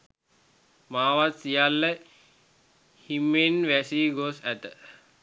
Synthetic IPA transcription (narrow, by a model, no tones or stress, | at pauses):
maːʋat̪sijalːə | himːenʋæsiɡosæt̪ə